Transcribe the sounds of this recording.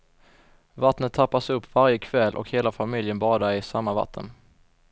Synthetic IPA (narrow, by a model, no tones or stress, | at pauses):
vat̪nət̪ʰːapːasɵpːvaɾjəkʰvɛlʔɔ̰kheːlafamɪljənbɑːd̪aɪsamːava̰t̪ʰːə̰n